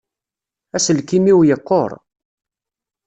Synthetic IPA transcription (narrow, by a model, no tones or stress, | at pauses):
æsəlkimiwjəqːo̰ɾˤ